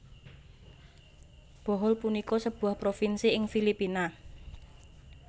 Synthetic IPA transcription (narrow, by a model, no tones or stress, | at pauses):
b̥ɔ̤ɦɔlpunikɔsəb̥uahpɾofinsiɪŋfilipina